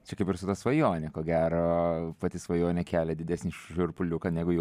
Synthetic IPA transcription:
t͡ʃʲɛkɐɪpɪɾsʊt̪ɐsʋɐjoːnʲɛkoːɡʲæːɾoːpɐt̪ʲɪsʋɐjoːnʲɛkʲæːlʲɛd̪ʲɪd̪ʲæːsʲnʲɪʃʒʲʊɾpʊlʲʊkɐnʲɛɡʊjɛ

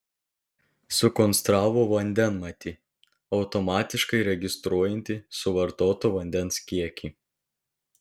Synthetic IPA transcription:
sʊkɔnst̪ɾɑːʋoːʋɐnʲd̪ʲɛnmɐt̪ʲiː | ɒʊt̪ɔmɑːt̪ʲɪʃkɐɪɾʲɛɡʲɪst̪ɾuɔjɛnʲt̪ʲɪsʊʋɐɾt̪oːt̪oːʋɐnʲd̪ʲɛnskʲiɛkʲiː

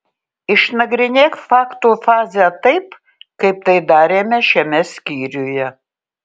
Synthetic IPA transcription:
ɪʃnɐɡɾʲɪnʲeːkfɑːkt̪uːfɑːzʲjɛt̪ɐɪp | kɐɪp̚t̪ɐɪd̪ɑːɾʲeːmʲɛʃʲɛmʲɛsʲkʲiːɾʲujɛ

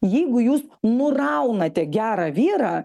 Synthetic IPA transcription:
jɛɪɡʊjuːsnʊrɐʊnɐt̪ʲɛɡʲæːɾɑːʋʲiːɾɑː

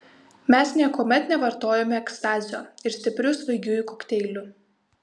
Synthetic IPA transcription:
mʲɛsnʲiɛkoːmʲɛt̪nʲɛʋɐɾt̪oːjɛmʲɛɛkst̪ɑːzʲɪjoːɪɾsʲt̪ʲɪpʲɾʲʊsʋɐɪɡʲʊɪkoːkt̪ʲɛɪlʲʊ

